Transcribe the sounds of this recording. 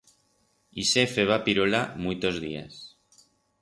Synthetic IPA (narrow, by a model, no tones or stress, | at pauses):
isefeβ̞apiɾolamujt̪ozðia̰s